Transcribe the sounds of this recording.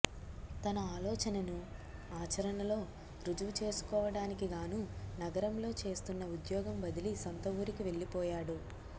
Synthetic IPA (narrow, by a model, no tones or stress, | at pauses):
t̪ɐnɐaːlɔːt͡ʃɐnɐnu | aːt͡ʃɐɾɐnɐlo̞ː | ɾud͡ʒuʋut͡ʃe̞ːsu̥kɔːʋɐɽaːnikiɡaːnunɐɡɐɾɐmlo̞ːt͡ʃe̞ːst̪unːɐud̪jɔːɡɐmbɐd̪ilisɐnt̪ɐʋuːɾikiʋe̞ɭːipɔːjaːɽu